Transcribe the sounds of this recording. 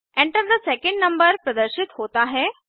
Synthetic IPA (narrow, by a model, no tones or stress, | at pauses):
ɛ̃ːɳʈəɾd̪əsɛkẽɳɖnɐ̃mbəɾpɾɐd̪əɾʃɪt̪ɦoːt̪aɦɛː